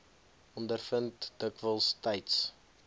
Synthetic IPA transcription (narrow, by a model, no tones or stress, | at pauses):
ɔndərfəntd̥əkvəlˠstɐjts